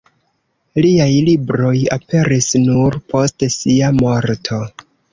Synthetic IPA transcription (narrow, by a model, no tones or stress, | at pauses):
liajlibɾo̞jape̞ɾisnuɾpʰo̞stsiamo̞ɾtʰo̞